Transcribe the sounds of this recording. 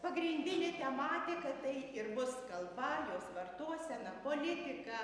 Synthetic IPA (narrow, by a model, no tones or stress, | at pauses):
pɐɡɾʲɪnʲd̪ʲɪnʲɪt̪ʲɛmɑːt̪ʲɪkɐt̪ɐɪɪrbʊskɐlˠbɐjoːsʋɐrt̪uɔsʲɛnɐpoːlʲɪt̪ʲɪkɐ